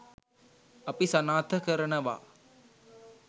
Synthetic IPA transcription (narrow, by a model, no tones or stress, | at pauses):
ɐpisɐnaːt̪ʰəkəɾənəʋa̰